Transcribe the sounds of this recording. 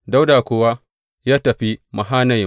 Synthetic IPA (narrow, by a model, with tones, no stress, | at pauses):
da˦wdaː˨kʷoː˦wa˦ | jaː˦tɐ˨ɸi˦mɐ˨ɦaː˦nɐ˨jɪ˨˦